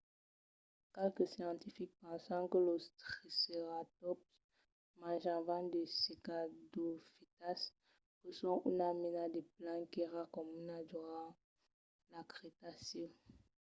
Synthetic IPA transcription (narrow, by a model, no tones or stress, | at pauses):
kɛlkəsjɑ̃t̪ifik̚pɑ̃sɑ̃kəlost̪ʁisəʁatɔps | mãʒãvãd̪esekadofit̪as | kəsɔ̃ʔunaminad̪eplãkiʁakɔmunaduʁa | lakʁet̪asɔ̃